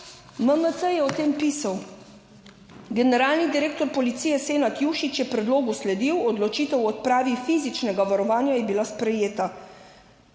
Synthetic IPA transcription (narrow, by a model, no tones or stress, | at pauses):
məmət̪səjɛɔt̪eːmpiːsaw | ɡɛnɛɾaːlnid̪iɾeːkt̪ɔɾpɔlit̪siːjɛseːnat̪juʃit͡ʃjɛpɾɛd̪loːɡuslɛd̪iwɔd̪lɔt͡ʃiːt̪ɛwɔt̪̚pɾaːʋifiːzit͡ʃnɛɡaʋaɾɔʋaːnjajɛbilaspɾɛjeːt̪a